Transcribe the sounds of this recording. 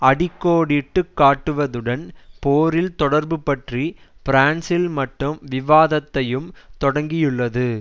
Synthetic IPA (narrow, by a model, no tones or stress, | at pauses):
ɐɽɪkːoːɽɪʈːɯkːaːʈːɯʋɐðɯɽɐnpoːɾɪlt̪ɔɽɐɾbɯpːɐʈri | pɪɾaːnsɪlmɐʈrɯmʋɪʋaːðɐt̪ːɐjɯmt̪ɔɽɐŋɡɪjɯɭːɐðɯ